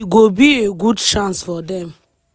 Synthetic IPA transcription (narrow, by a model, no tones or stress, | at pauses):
ɡobieɡudʃãnsfɔd̪ɛ̃m